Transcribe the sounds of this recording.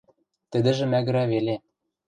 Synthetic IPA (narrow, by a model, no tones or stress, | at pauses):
t̪ɘ̆d̪ɘ̆ʒɘ̆mæɣɘ̆ɾæβele